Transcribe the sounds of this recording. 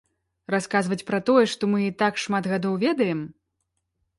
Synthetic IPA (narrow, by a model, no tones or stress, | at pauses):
raskazvɐt͡sʲpɾat̪ɔjɛʂt̪ɔmɨit̪akʂmat̪ɣad̪ɔwvʲɛd̪ɐjɛm